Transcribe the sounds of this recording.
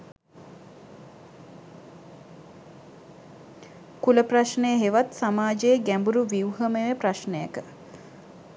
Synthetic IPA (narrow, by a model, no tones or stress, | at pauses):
kuləpraʃnejəɦeʋat̪samaːd͡ʒejːɡæmbuɾuʋiuɦəmeʋepraʃnejəkə